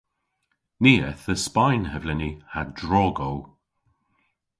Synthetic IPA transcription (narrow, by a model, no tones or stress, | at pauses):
niːɛθəspajnhɛvlɛnihadɹɔːɡow